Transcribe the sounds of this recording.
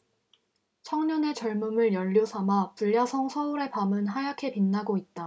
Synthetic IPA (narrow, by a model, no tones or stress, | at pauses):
t͡ɕʰʌŋɲʌne̞t͡ɕʌɭmumɯɭjʌʎːosʰamapuʎːasʰʌŋsʰʌuɾe̞pamɯnɦajakʰe̞pinːaɡoit̚t͈a